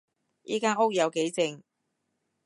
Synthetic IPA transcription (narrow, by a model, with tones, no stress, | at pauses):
jʔḭː˥kaː˥nʊ˥k̚jɐ˨˧wke˨˥jt͡sɪ˧ŋ